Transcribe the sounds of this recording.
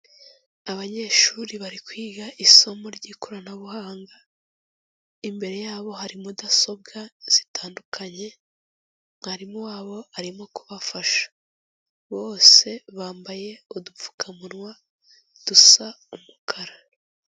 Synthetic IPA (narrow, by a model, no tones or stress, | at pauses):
aβaɲe̞ːʃuːɾiβaɾikwiːɡaʔiso̞mo̞ɾɟiːkoɾanaβuhaːŋɡa | imbe̞ɾe̞jaːβo̞haɾimudaso̞b̚ɡaz̥itaːndukʰaɲe̞ | maɾimowaːβo̞aɾimo̞kuβafaʃḁ | βo̞ːse̞βaːmbaje̞udufu̥kamuɾwa | d̥usa | umukʰaɾa